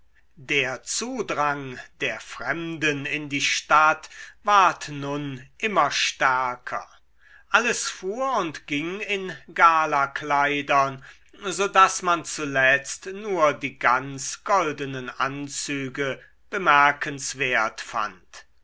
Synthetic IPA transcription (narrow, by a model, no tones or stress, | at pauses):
deːɐt͡suːdʁaŋd̥eːɐfʁ̥ɛmdənɪndiːʃtatvaɐtnʊnʔɪmɐʃtɛɐkʰɐ̰ | ʔaləsfuːɐʊntɡ̥ɪŋɪnɡaːlaklaɪdɐn | zoːdasmant͡sulɛt͡stnuːɐdiːɡant͡sɡ̥ɔldənənʔa̰nt͡syːɡə | b̥əmɛɐkʰənsv̥eːɐtfa̰nt